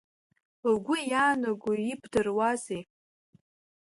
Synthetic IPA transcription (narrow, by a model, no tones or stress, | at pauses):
ɡʷʊjaːnaɡʷuibʰdɨrwazej